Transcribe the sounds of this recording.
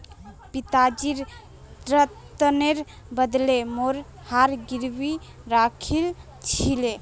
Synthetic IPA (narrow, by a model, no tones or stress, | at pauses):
pit̪ad͡ʒiɾ | d̪ɾət̪əneɾ | bəd̪lemoɾ | haɾɡiɾbi | ɾakʰil | t͡ʃʰile